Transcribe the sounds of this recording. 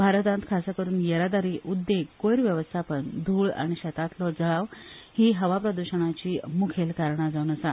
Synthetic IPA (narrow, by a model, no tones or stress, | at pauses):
bʱaɾət̪ãnt̪kʰasakəɾuːnjəɾad̪aɾiːʔud̪ːekojɾʋjəʋəst̪ʰapəɳd̪ʱuːɭa̰ɽ̃iɕɛt̪at̪lɔd͡zəɭaʋhiːɦəʋapɾəd̪uɕəɳ̃at͡ɕiːmukʰelkaɾɳ̃ad͡zaunəsa